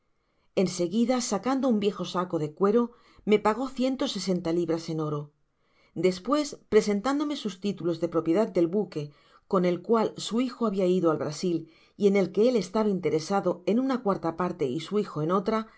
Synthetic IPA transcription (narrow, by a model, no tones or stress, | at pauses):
e̞nse̞ɣiðasakand̪oumbje̞xo̞sako̞ðe̞kwe̞ɾo̞ | me̞paɣ̞o̞θje̞nt̪o̞se̞se̞nt̪aliβɾase̞no̞ɾo̞ | d̪e̞spwe̞spɾe̞se̞nt̪and̪o̞me̞sust̪it̪ulo̞zðe̞pɾo̞pje̞ðad̪̚d̪e̞lβuke̞ | ko̞ne̞lkwalsuixo̞aβiaiðoalβɾasil | ie̞ne̞lke̞e̞le̞st̪aβaint̪e̞ɾe̞saðo̞e̞nunakwaɾt̪apaɾt̪e̞isuixoeno̞t̪ɾa